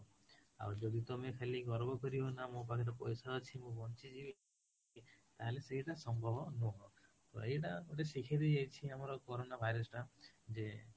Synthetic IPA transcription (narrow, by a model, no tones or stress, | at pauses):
a̰wd͡ʒɔd̪it̪omekʰaliɡɔɾbɔkɔɾiɦɔnamũpakʰiɾɔpɔjsaɔt͡ʃʰimũbɔnt͡ʃid͡ʒibi | it̪aɦeleseɦiʈasɔmbʱɔbɔnɔɦɔ | t̪ɔ̰ejʈaoʈesikʰid̪id͡ʒajt͡ʃʰiamɔɾɔkoɾonabʱajɾɔsɔʈad͡ʒe